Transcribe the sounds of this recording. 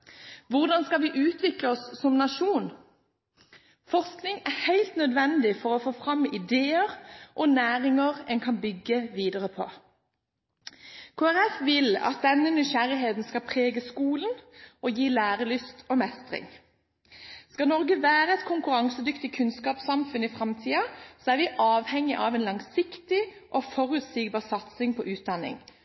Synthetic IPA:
ʋʊʁd̪ɑnskɑʋɪʔʉːt̪ʋɪkləɔsːɔmnɑʃuːn | fɔʁsknɪŋæʁhæɪlt̪nœd̪ʋɛnd̪ɪfɔʁɔfoːfʁɑmːɪd̪eːəʁʔɔnæːʁɪŋəʁɛnkʰɑnbʏɡːəʋiːd̪əʁəpʰɔ̰ | kʰoːæʁɛfʋɪlɑ̰t̪̚d̪ɛnːənʏʃæɾɪɦeːt̪n̩skɑpʰʁeːɡəskuːlən̩ɔjiːlæːʁəlʏst̪ʰɔmɛst̪ʁɪ̰ŋ | skɑlnɔʁɡəʋæːʁəɛt̪kʰʊŋkʉɾɑŋsəd̪ʏkt̪ɪkʰʉnskɑːpsɑmfʉnɪfʁɑmt̪ʰiːɑsɔæːɾʋɪʔɑːʋhɛŋːɪʔɑʋɛːnlɑŋsɪkt̪ɪʔɔfɔʁʉːt̪siːɡ̚bɑːʁsɑt̪sɪŋpʰɔʔʉːt̪̚d̪ɑnɪ̰ŋ

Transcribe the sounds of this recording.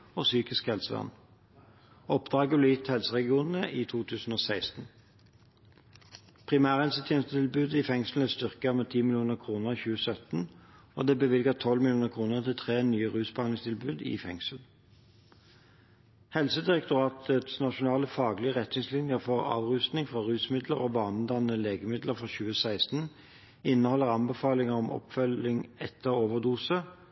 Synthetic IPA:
oːsyːkɪskhɛlsəʋɑ̰nː | ɔpd̪ʁɑːɡəblɛːjɪt̪hɛlsəʁɛɡɪuːnn̩əʔiːt̪ʰuːt̪ʰʉːsn̩oːsæɪst̪n̩ | pʰʁɪmæːʁhɛlsət̪ʰjɛːnst̪t̪ɪlbʉːd̪ɪfɛŋsl̩ɛst̪ʏʁkəmeːt̪ʰiːmɪlɪuːnəʁkʰʁuːnəʁçʉːəsœt̪n̩ | o̰ːd̪eːbəʋɪlɡət̪ʰɔlmɪlɪuːnəʁkʰʁuːnəʁt̪ʰɪlt̪ʰʁeːnyːəʁʉːsbhɑnlɪŋst̪ʰɪlbʉːd̪ɪ̰ːfɛŋsl̩ | hɛlsəd̪ɪʁɛkt̪ʊʁɑːt̪ət̪snɑʃʊnɑːləfɑːɡlɪəʁɛt̪nɪŋslɪnjəʁfɔʁɑ̰ːʋʁʉst̪nɪŋfʁɑʁʉːsmɪd̪lə̰ʁoːbɑːnəd̪ɑnəleːɡəmɪd̪ləʁfʁɑɕʉːəsæɪst̪n̩ | ɪnːəhɔlːəʁɑnbəfɑːlɪŋəʁɔmɔ̰pfœlɪŋɛt̪ʰːəʁoːʋəʁd̪uːsə

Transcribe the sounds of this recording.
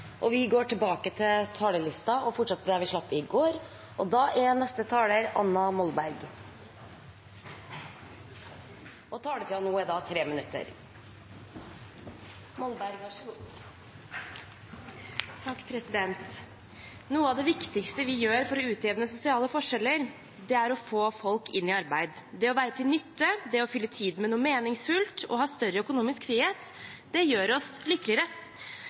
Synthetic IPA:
ʔɔʋɪɡoːʈɪlbɑːkət̪ʰɪlt̪ʰɑːləlɪst̪ɑɔfɔʈʂɑt̪ːəɖ̪æɾʋɪʂɭɑpːɾɪɡoːɾ | ʔɔd̪ɑːʔæɾnɛst̪ət̪ʰɑːləɾɑ̰nːɑmɔlbæɾɡ | ʔɔt̪ʰɑːlət̪ʰɪɑnuːɛd̪ɑːt̪ʰɾeːmənʉt̪ʰːə̰ɾ | mɔlbæɾɡ | t̪ʰɑkːpʰɾɛsɪd̪ɛnt̪ | nuːəɑʋd̪ɛʋɪkt̪ɪkst̪əʋɪjøːɾfɔɾɔʉːt̪ʰeːʋənəsʊsɪɑːləfɔʂɛlːəɾ | d̪ɛæɾɔfoːfɔlkɪnːɪɑɾbæɪd̪d̪ɛɔʋæːɾət̪ʰɪlnʏt̪ːəd̪ɛɔfʏlːət̪ʰiːd̪mɛnuːəmeːnɪŋsfʉlt̪ɔ̰hɑːst̪œɾəœkʊnuːmɪskfɾiːheːt̪ | d̪̥ɛjøːɾɔslɪkːəlɪəɾə

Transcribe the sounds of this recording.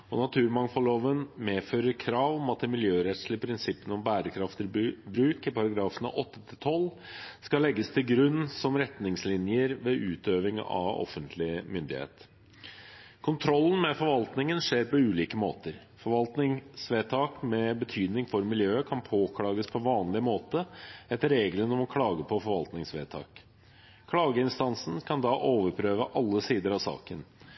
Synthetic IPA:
ɔnɑt̪ʰʉːɾmɑŋfɔloːʋənmeːføːɾəɾkʰɾɑːʋɔmɑt̪̚ɪmɪljøːɾɛt̪slɪpʰɾɪnsɪpːənəɔmbæːɾəkʰɾɑft̪əɾbɾʉːkɪpɑɾɑɡɾɑːfən̰ʔɔt̪ːə̥t̪ʰɪlt̪ʰɔlː | skɑlɛɡːəst̪ʰɪlɡɾʉnːsɔmɾɛt̪nɪŋslɪnjəɾʋeʔʉːt̪øːʋɪŋɑ̰ʋɔ̰fənt̪ʰlɪmʏnd̪ɪhḛːt̪ | kʰʊnt̪ʰɾɔlːən̩mɛfɔɾʋɑlt̪nɪŋənʂeːɾpɔʉːliːkəmoːt̪əɾ | fɔɾʋɑlt̪nɪŋsʋeːt̪ʰɑːkmɛbət̪ʰyːd̪nɪŋfɔɾmɪljøːəkʰɑnpʰoːkʰɽɑːɡəspʰɔʋɑːnlɪəmoːt̪əɛt̪ːəɾːeːɡlənɔmɔkʰɽɑːɡəpʰɔfɔɾʋɑlt̪nɪŋsʋḛːt̪ʰɑ̰ːk | kʰɽɑːɡəɪnst̪ɑnsn̩kʰɑnd̪ɑːʔoːʋəɾpʰɾøːʋəʔɑlːəsiːd̪əɾɑʋsɑ̰ːkən

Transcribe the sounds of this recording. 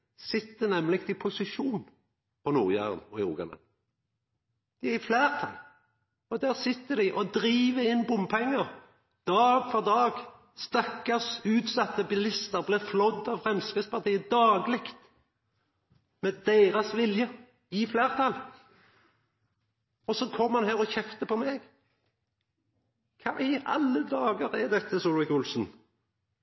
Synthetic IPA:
sɪt̪ːənɛmlɪkt̪ɪpʰʊsɪʃuːn | pʰɔnuːʁjæ̰ːʁə̰nɔɪʁṵːɡɑ̰nə̰ | d̪̥ɪæʁɪflæːʁt̪ʰɑ̰l | ɔd̪æːʁsɪt̪ːəd̪ɪʔɔd̪ʁiːʋəɪnbʊmpʰɛŋːəʁ | d̪̥ɑːɡ̥fɔʁd̪ɑːɡ | st̪ɑkːəsʉːt̪sɑt̪ːəbɪlɪst̪əʁblɛːflɔd̪ːɑʋfʁɛmskəspɑʁt̪ʰiːəd̪ɑːɡlɪkt̪ | mɛd̪eːɾɑsʋɪljə | ɪfleːʁt̪ʰɑl | ɔsɔkʰɔmːəhɑnɦæːʁɔçɛft̪əpʰɔmɛɡ | kʰɑ̰ːɪɑ̰lːəd̪ɑːɡəɾɛd̪ɛt̪ːəsuːlʋɪkʊlsn

